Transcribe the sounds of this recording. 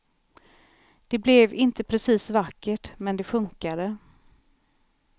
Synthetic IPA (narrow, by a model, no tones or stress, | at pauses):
d̪̥ɛblɛvɪnt̪əpʰɾɛsiːsvakːəʈmɛnd̪ɛfɵŋkad̪ə